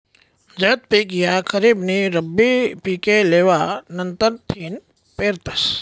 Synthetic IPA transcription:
d͡ʒɐːt̪̚piːkjakʰɐɾiːbniɾɐbːipiːkeleːʋanɐnt̪əɾt̪ʰiːn | peːɾt̪ɐs

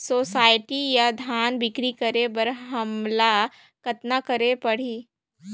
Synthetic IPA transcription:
soːsaːɪʈijad̪ʱjaːnbɪkɾikɐɾebɐɾɦɐmla | kɐt̪nakɐɾepɐɽ̤iː

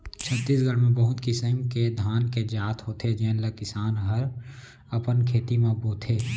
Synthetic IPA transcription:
t͡ʃʰət̪ːiːsɡʱəɽmẽbəɦʊt̪kɪsəmked̪ʱaːnked͡ʒaːt̪ʰɦot̪ʰed͡ʒeːnləkɪsaːnɦəɾ | əpənkʰeːt̪imãboːt̪ʰeː

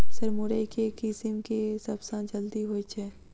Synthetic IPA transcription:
sɐɾmʊɾəkekɪsɪmkesɐbsãːd͡ʒɐld̪iɦoːit͡ʃʰɛ

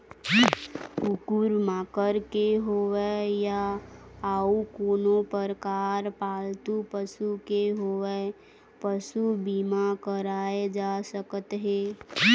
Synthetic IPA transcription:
ʊkuɾmaːkəɾkeɦoweja | aukoːnopəɾkaːɾpaːlt̪upəsukeɦowe | pəsubimakəɾaːed͡ʒaːsəkət̪ɦeː

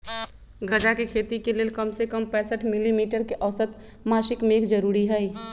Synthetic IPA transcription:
ɡʱɐd͡ʒakekʰeːt̪ikeleːlkəmsekəmpɛ̃ːsəʈʰmɪlimiːʈəɾkeʔəʋsət̪ | maːʃɪkmeːkd͡ʒəɾuːɾiɦɛi

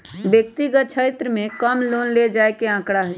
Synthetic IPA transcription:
bjək̚t̪iɡət̪̚t͡ʃʰet̪ɾəmẽkəmloːnled͡ʒaːekeãːkɽaɦɛ

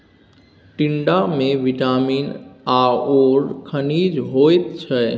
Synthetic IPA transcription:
ʈɪɳɖamẽʋiʈaːmiːnaoːɾkʰəniːd͡ʒɦoːjt̪̚t͡ʃʰɛ

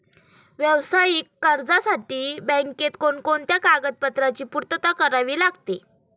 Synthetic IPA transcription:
ʋjəʋsajikːəɾd͡zasaʈiːbə̃ŋket̪koɳkoɳt̪jakaɡət̪̚pət̪ɾat͡ɕiːpuɾt̪ət̪akəɾaʋiːlaɡt̪e

